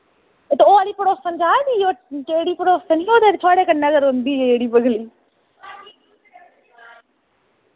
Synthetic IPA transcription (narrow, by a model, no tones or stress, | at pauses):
t̪oːaɽiːpəɽoːsəmd͡ʒaːd̪iːoːʈeːɽiːpəɽoːstənioːd̪eːɾt̪ʰoaːɽeːkənnəzəɾɦʊ̃nd̪iːeeːɽiːbəɡliː